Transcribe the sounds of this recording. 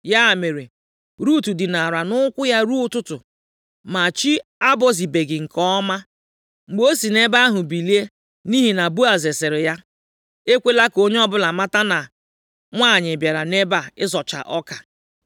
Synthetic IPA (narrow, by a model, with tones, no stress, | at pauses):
ja˦˨me˨ɾe˨ | ɾu˦˨tu˨dɪ˨na˨ɾa˨nʊ˦kʷʊ˦ja˦ɾu˦ʊ˦tʊ˦tʊ˨ | ma˨t͡ʃi˦a˦bɔ˦zi˨be˨ɡɪ˨ŋ̩˨kɔ˦ma˦ | ŋ͡m̩˨ɡ͡bo˦si˨ne˦ba˦a˦ɦʊ˨bi˨li˦e˦ | ni˦ɦi˨na˨bu˦a˨ze˨sɪ˨ɾɪ˨ja˦ | e˦kʷe˦la˦ko˦ɲe˦ɔ˦bʊ˦la˨ma˦ta˦na˨ | ŋʷa˦˨ɲɪ˨bja˨ɾa˨ne˦ba˨ɪ˦zɔ˨t͡ʃa̰˨ʔɔ˦ka˨